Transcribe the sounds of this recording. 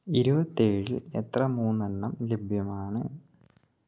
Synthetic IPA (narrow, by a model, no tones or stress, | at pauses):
iɾubɐt̪ːeːɻilet̪rɐmuːnːɐnːɐmlebʱjɐmaːɳɨ